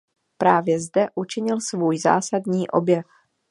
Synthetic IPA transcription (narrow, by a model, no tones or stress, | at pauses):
pɾaːvjɛzdɛʔut͡ʃɪɲɪlsvuːjza̰ːsadɲiːʔo̰bjɛf